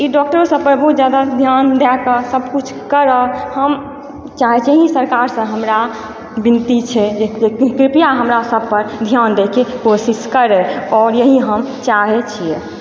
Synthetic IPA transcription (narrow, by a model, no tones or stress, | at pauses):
iɖɔk̚ʈəɾosəpɾbʱut̪d͡ʒjad̪ad̪ʱjand̪ɛkəsəbkut͡ʃʰkəɾəhəm | t͡ʃaɦɛt͡ʃʰeisəɾkaɾsə̃ɦəmɾa | bint̪it͡ʃʰɛd͡ʒed͡ʒekɾipijaɦəmɾasəb̚ʱpəɾd̪ʱjand̪ekʰekosiskəɾɛɔːɾjəɦiɦəmt͡ʃaɦɛt͡ʃʰie